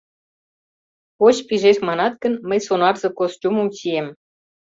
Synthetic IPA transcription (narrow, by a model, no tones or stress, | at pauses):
ot͡ɕpiʒeʃmɑnɑt̪kə̆nməjsonɑrzɤ̆kost̪ʲuməmt͡ɕiem